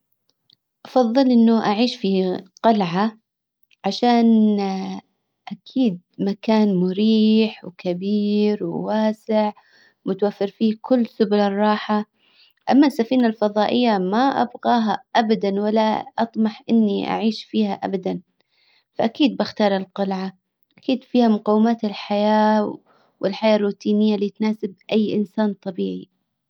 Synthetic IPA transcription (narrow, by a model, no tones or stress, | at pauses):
ʔɑfɑðˤːɨlʔɪnːʊʔaʕiːʃfiqɑlʕa | ʕaʃaːn | ʔakʰiːd̪̚ | makaːnmʊɾiːħwkabiːɾwwaːsɪʕ | mʊt̪awafːɪɾfiːkʊlːsʊbʊlɑrˤːɑːħa | ʔamːasafiːnalfɑðˤɑːʔɪjːamaʔa̰bɣɑːɦaʔabad̪anwalːaʔɑt̪ˤmɑħʔɪnːiʔa̰ʕiːʃfiːhaʔa̰bad̪an | faʔakiːd̪̚bɪxt̪ɑːɾˤɪlqɑlʕa | ʔakiːd̪fiːhamʊqɑwːɪmaːt̪ɪlħajaː | wɪlħajaːrːuːt̪iːnɪjːaliːt̪naːsɪb̚ʔajːʔɪnsaːnt̪ˤɑbiːʕi